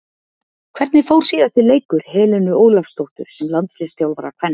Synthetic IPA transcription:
kʰvɛɾt̪nɪfowɾ̥siːðast̪ɪleːjkʏɾ̥hɛːlɪnʏoːwlafst̪owht̪ʏɾ̥sɛmlant̪slɪst̪jawlvaːɾakʰvɛnː

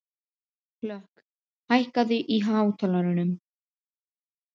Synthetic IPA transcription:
klœhk | hajhkaðʏʔiɦaːvt̪ʰalaɾʏnʏm

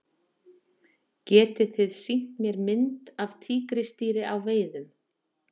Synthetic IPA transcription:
cɛːt̪ɪθɪðsiŋ̥t̪mjɛɾmɪnt̪avt̪ʰiːkɾɪst̪iːɾɪʔawveːjðʏm

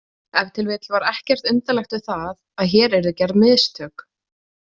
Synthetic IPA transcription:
ɛvt̪ʰɪlvɪːt̪lvaɾɛhcɛr̥t̪ʏnt̪alɛxt̪vɪðθað | aðçɛːɾɛɾðʏcɛɾðmɪðst̪ʰœːk

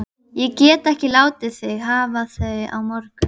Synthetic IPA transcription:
jɛcɛːt̪ɛhcɪlaːwt̪ɪθɪɣhaːvaθœa̰wmɔɾkʏ

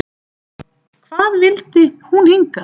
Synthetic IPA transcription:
kʰvaːðvɪlt̪ɪhuniŋka

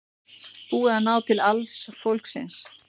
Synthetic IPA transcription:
huɛɾanaːwt̪ʰɪlalsfowlksɪ̰ns

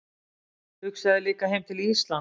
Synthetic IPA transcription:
hʏksaðɪlɪːkahejmt̪ʰɪliist̪lan

